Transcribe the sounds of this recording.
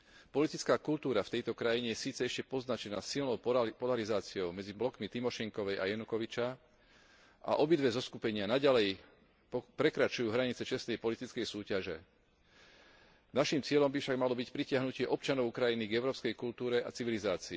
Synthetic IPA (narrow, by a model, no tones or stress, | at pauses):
pɔlit̪it͡skaːkult̪uːɾaft̪ɛjt̪ɔkɾajiɲɛjɛsiːt͡sɛɛʃcɛpɔznat͡ʃɛnaːsilnɔʊppɔlaɾizaːt͡siɔʊmɛd͡ziblɔkmit̪imɔʃɛŋkɔʋɛjʔa̰jɛnukɔʋit͡ʃa | ʔa̰ʔɔbid̪ʋɛzɔskupɛɲɪanaɟalɛj | pɾɛkɾat͡ʃujuːɦɾaɲit͡sɛt͡ʃɛst̪ɛjpɔlit̪it͡skɛjsuːcaʒɛ | naʃimt͡sɪɛʎɔmbifʃaɡmalɔbicpɾicɪaɦnucɪɛʔɔp̚t͡ʃanɔʊkɾajiniɡɛʊɾɔːpskɛjkult̪uːɾɛʔa̰t͡siʋilizaːt͡siː